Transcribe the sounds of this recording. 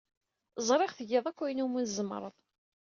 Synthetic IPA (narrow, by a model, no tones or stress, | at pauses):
zˤɾˤeʁθəɡeðˤækʷːæjnumunzəm̰ɾˤəðˤ